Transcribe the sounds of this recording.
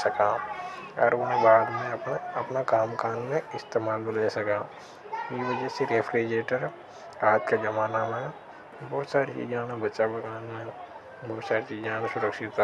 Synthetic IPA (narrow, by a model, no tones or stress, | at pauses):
sɐka | ɔ̰ɾonẽbaːd̪mẽɐɐpnakaːmkaːnmẽɪst̪eːmaːlbleːsɐka | jiʋəd͡ʒɛseɾeːfʰɾeːd͡ʒeːʈəɾ | ɾaːt̪kad͡ʒɐmaːnamẽ | bɔːt̪saːɾit͡ʃḭːd͡ʒãːnebɐːʃabɐkaːnmẽ | bɔːt̪saːɾit͡ʃiːd͡ʒãːnãsʊɾəkʃɪt̪